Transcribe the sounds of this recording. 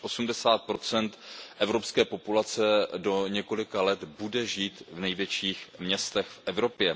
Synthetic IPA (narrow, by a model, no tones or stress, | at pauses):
ʔo̞sumdɛsaːt̪̚pɾo̞t͡sɛnt̪ʔɛvɾo̞pskɛːpo̞pulat͡sɛdo̞ɲɛko̞lɪkalɛt̪budɛʒiːt̪vnɛjvjɛt͡ʃiːxmɲɛst̪ɛxfʔɛvɾo̞pjɛ